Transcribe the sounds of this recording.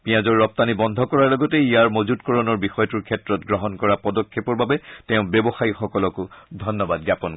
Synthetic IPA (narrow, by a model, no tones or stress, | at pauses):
piãzɔɹːɔp̚tanibɔndʱɔkɔɹaɹlɔɡɔtɛijaɹmozutkɔɹɔnɔɹbixɔjɔtuɹkʰɛtɹɔtɡɹɔɦɔnkɔɹapɔdɔkʰːepɔɹbabɛtɛʊ̃bɛbɔxajixɔkɔlɔkʊdʱɔnːɔbadɡjapɔn